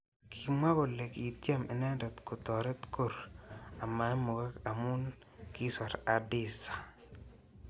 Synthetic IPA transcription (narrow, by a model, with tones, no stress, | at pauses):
kʰi˨ma˦ɡo˨le˨ki˨t̪ja˦mɛ˨nɛ˦ndɔ˨t̪kʊ˨t̪ɔ˨ɾɛ˦t̪ko˦ɾa˨ma˨˦mo˨ɡa˦ka˨mu˦n | ki˦sɔ˨ɾa˨dɪ˦˨sḁ˨